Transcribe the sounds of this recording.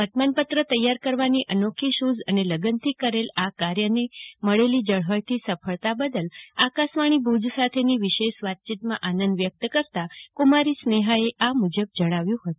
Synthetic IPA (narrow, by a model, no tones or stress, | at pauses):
bət̪manpət̪ɾət̪əjːaɾkəɾʋaniʔənokʰiʃuzəneləɡənt̪ʰikəɾelakaɾjəneməɭelid͡ʒəɭɦəjt̪ʰisəfʰəɭt̪abəd̪əlakasʋaɽ̃ibud͡ʒsat̪ʰeniʋiʃeʃʋat̪̚t͡ʃit̪mã̰ʔanənd̪ʋjək̚t̪kəɾt̪akumaɾisneɦaeʔamud͡ʒəb̚d͡ʒəɽ̃aʋjũɦət̪u